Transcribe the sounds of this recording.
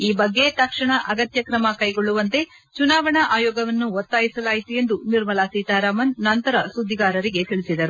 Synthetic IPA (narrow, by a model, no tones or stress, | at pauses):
iːbɐɡːe̞t̪ɐkʂɐɳɐʔɐɡɐt̪jɐkɾɐmɐkɐjɡoɭːuʋɐnt̪e̞ | t͡ʃunaːʋɐɳɐʔaːjɔːɡɐʋɐnːuʋot̪ːaːjisɐlaːjit̪uje̞nd̪uniɾmɐlaːsiːt̪aːɾaːmɐnːɐnt̪ɐɾɐsud̪ʱːiɡaːɾɐɾiɡe̞t̪iɭisid̪ɐɾu